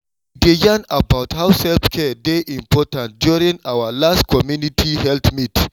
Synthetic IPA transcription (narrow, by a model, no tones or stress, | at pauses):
idejãnabaʊthawsɛlfkʰɛdeʔĩmpʰɔtãnt̚djuɹĩŋawəlastkʰɔmjunitʰihɛltmit